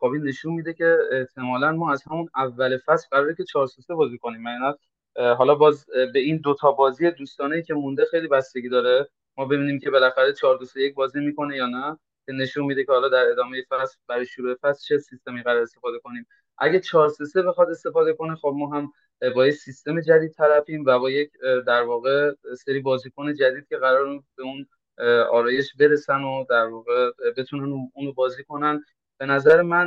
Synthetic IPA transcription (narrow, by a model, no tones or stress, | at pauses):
xɒbine̞ʃunmid̪e̞cʰe̞eht̪ʰe̞mɒːlænmɒːæz̥hæmunævːæle̞fæslɢæɾɒːɾecʰe̞t͡ʃʰɒːɾsusebɒːziko̞niːmːæɡænæt̪ | ɦɒːlɒbɒːzbe̞ind̪ot̪ʰɒːbɒːzijed̪uːst̪ɒːneiːcʲʰe̞mund̪e̞xe̞jlibæst̪e̞ɡʲiːd̪ɒːɾe | mɒːbe̞biːniːmcʰe̞be̞læxæɾe̞t͡ʃʰɒːɾd̪osejec̚bɒːzimiːko̞ne̞jɒːnæ | cʰe̞ne̞ʃunmiːd̪ecʰe̞hɒːlɒːd̪æɾe̞d̪ɒːme̞je̞fæsfbæɾɒjeʃoɾuje̞fæslt͡ʃʰe̞sist̪e̞miːɣæɾɒːɾest̪efɒːd̪e̞ko̞niːm | ʔæ̰ɟæt͡ʃʰɒːɾsese̞be̞xɒt̪e̞st̪e̞fɒːd̪e̞ko̞ne̞xob̚mɒːɦæm | bɒːjesist̪e̞me̞d͡ʒæd̪iːd̪̚t̪ʰæɾæfiːmvæbɒːje̞cd̪æɾvɒːɣe̞seɾiːbɒːziːkʰone̞d͡ʒæd̪iːd̪̚cʰe̞ɣæɾɒːɾbeuːn | ɒ̰ːɾɒːje̞ʃbe̞ɾe̞sænod̪æɾvɒːɣe̞be̞t̪ʰunænuːnobɒːziːko̞næn | b̥e̞næzæɾemæn